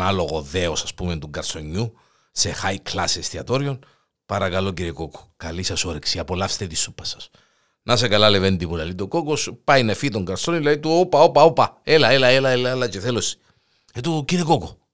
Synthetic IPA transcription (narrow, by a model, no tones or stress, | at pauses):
alo̞ɣoðeosɐspument̪uŋɡɐɾso̞ɲːu | se̞xajklɐsest̪iɐt̪o̞ɾio̞n | pɐɾɐkɐlo̞ciɾeko̞ko̥kɐlisɐsoɾeksiɐpolɐfst̪et̪isupːɐ̥sɐ̥s | nɐse̞kɐlɐle̞vend̪ipulɐlit̪oko̞kospɐjnefit̪oŋɡɐɾsonilɐðit̪uopɐopɐopɐelɐelɐelɐelɐelɐceθelosi̥ | et̪uciɾekoku